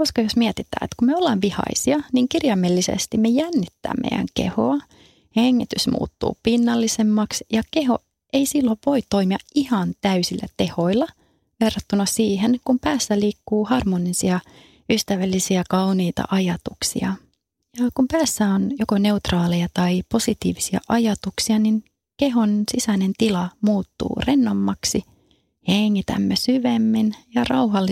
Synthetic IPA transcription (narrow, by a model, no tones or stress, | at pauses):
koskɑjosmiɛt̪it̪æ̰ːet̪kummeolːɑːʋʋihɑ̰isiɑniŋkirjɑmːelːisḛst̪immejænːit̪ːæ̰ːmmḛijæ̰ŋkḛho̰ɑ | heŋːit̪ysmṵːt̪ːṵːpinːɑlːisemːɑksjɑkeɦo̞̰ | e̞isilːoʋʋo̞it̪o̞imiɑihɑnt̪æysilːæ̰t̪eho̞ilːɑ | ʋerːɑt̪ːunɑsiːɦenkumpæːsːæliːkːuːhɑrmonisiɑ | yst̪æʋælːisiækɑwniːt̪ɑ̰ʔɑjɑt̪uksḭɑ | jɑkumpæːsːæonjokone̞ut̪rɑːlejɑt̪ɑipo̞sit̪ḭːʋisiɑ̰ʔɑjɑt̪uksiɑnin | keɦonsisænent̪ilɑmuːt̪ːṵːrenːomːɑksi | heŋːit̪æ̰mːesyʋemːinjɑrɑwɦɑlː